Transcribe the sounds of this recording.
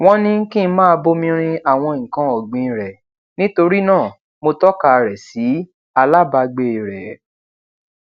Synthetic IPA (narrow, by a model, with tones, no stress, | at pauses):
w̃ɔ̃˦nĩ˦kĩ˦n̩˦mãː˦˧bo˦mĩ˧ɾ̃ĩ˧a˦˨w̃ɔ̃˧˨ŋ̩˨kã˧ɔ˨ɡ͡bĩ˨˧˨ɾɛ˨ | nĩ˦to˧ɾi˦nãː˦˨ | mo˧tɔ˦ka˧˨ɾɛ˨si˨˦ | a˧la˦˨ba˧ɡ͡be˧i˨ɾɛ˨